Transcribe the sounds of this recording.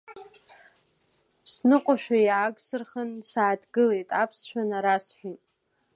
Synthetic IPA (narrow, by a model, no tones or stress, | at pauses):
snɨqʷʼaʃᶣajaːɡsɨrχənsaːdɡɨlejtʼapʰsʃᶣanaɾasħʷᶣitʼ